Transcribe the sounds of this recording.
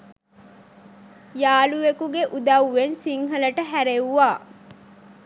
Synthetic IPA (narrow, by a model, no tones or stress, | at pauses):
jaːluʋekuɡeʔud̪ɐwʋensiŋɦɐlɐʈəɦæɾewuʋaː